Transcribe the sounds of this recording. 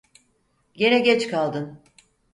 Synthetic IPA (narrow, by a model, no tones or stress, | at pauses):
ɟe̞nɛɟɛt͡ʃkʰalˠd̪ɯn